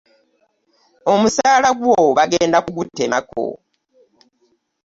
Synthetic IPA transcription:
o̞musaːlaɡwoβaɡe̞ːndakuɡutːe̞mako̰

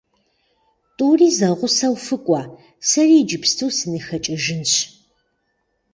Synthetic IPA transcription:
tʼuːriːzɐʁʷʊsɐwfɨkʷʼɑː | sɐriːd͡ʒɪpstʰɨwsɨnɨxɐt͡ʃʼɪʒɪnɕ

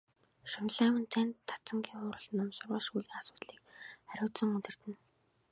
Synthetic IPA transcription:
ʃʊmɮaːmə̆nt͡sʰænt̪ʰːḁt͡sə̆ŋɡʲiːŋχʊːɾə̆ɮnʊmsʊrʁəːʃujɮiːŋasʊ̥ːt̪ɮiːkχæɾʲʊːt̪sɞ̆ŋɵt̪ɘ̆r̥t̪ɘ̆n

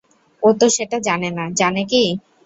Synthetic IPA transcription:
ot̪oʃeʈad͡ʑanenad͡ʑaneki

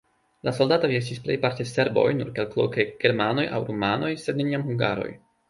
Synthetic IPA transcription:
laso̞ldatoɾie̞s̬tisple̞jpaɾtese̞ɾbo̞̰jnṵɾkelklo̰ke̞ɡ̥e̞ɾmano̞ja̰wɾumano̞jsedne̞niamhuŋɡa̰ɾo̞̰j

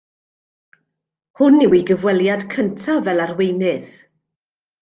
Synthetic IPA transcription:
hʊnːiwiɡəvwɛlˠjad̥kʰəntʰavɛlˠarwejnɨθ

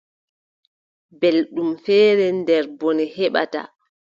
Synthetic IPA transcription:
belɗumfɛːɾɛndɛɾbɔnihɛɓa̰ta̰

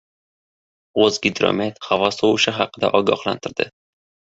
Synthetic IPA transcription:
ozɡʲɪd̪ɾo̰met̪havɒsowʊʃɪɦaqːɨd̪a̰ʔɒɡɒhlˠa̰nt̪ʰɪɾd̪ɪ̰

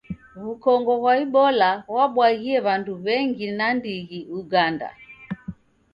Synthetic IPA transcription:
βukɔŋɡɔβwaiɓɔlawaɓwaɣiɛβanduβɛŋɡinandiɣiuɡanda̰

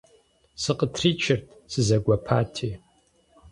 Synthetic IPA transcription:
sɨqʼətʰrit͡ʃʰɪrtʼsɨzaɡʷapʰatʰi

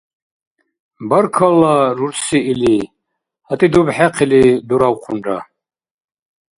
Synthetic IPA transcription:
bəɾkʰalːaɾuɾsiːli | hat̪ʼid̪ubħɛqʰilid̪uɾawqʷʰuna̰

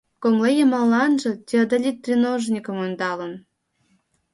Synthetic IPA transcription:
koŋlejemɑlːɑnʒɤ̆t̪ʲiod̪olʲit̪ːrʲinoʒnʲikə̆mund̪ɑlə̆n

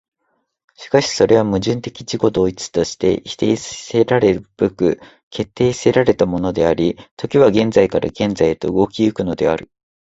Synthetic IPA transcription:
ɕi̥kaɕi̥so̞ɾe̞β̞amɯ̟ʑɨ̃nt̪e̞kʲi̥t͡ɕiko̞d̪o̞ːit͡sɨ̥t̪o̞ɕi̥t̪e̞̰çi̥t̪e̞sseɾaɾe̞ɯb̥ɯ̟kɯ̟ | kʰe̞t̪ːe̞ːse̞ɾaɾe̞t̪amo̞no̞d̪e̞aɾʲit̪o̞kʲiβaɡẽ̞nd͡zaikaɾa̰ɡẽ̞nd͡zait̪o̞ɯ̟ɡo̞kʲiɯ̟kɯ̟no̞d̪e̞a̰ɾɯ̟

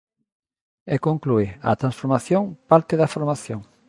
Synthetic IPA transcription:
ekoŋkluɪa̰t̪ɾãnsfoɾmaθjoŋpaɾt̪ɪðafoɾmaθjoŋ

